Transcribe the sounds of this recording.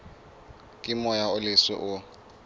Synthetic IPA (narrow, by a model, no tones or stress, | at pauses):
kʼɪmɔjaʊlɪswɪ̰ʔʊ